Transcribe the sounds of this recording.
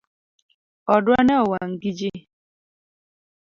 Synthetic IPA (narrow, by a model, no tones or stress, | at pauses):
ɔdwanɛɔwaŋ̩ɡid͡ʒe